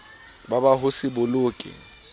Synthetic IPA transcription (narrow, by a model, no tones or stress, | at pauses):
babaɦʊsɪbʊlʊːkʼɪ̰